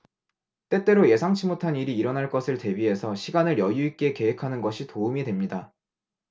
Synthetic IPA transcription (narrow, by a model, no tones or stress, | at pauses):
t͈e̞t͈e̞ɾoje̞sʰaŋt͡ɕʰimotʰaniɾiːɾʌnaɭk͈ʌsʰɯɭte̞biɦe̞sʰʌɕʰiɡanɯɾjʌjuik͈e̞ke̞ɦe̞kʰanɯnɡʌɕʰitoumidwe̞mɲida